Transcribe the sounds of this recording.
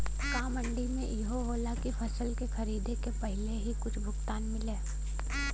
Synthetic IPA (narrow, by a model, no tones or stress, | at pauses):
kãːmə̃ɳɖimḛ̃ʔiɦoɦoːlakifʰɐsəlkexɐɾiːd̪ʱekepɐɦɪleɦikʊt͡ʃʰbʱʊɡt̪aːnmɪleː